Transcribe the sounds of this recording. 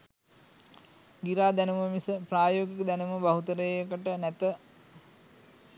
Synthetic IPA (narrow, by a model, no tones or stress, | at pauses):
ɡiɾaːd̪ænuməmisəpraːjoːɡikəd̪ænuməbaɦut̪əɾəjjəkəʈənæt̪ə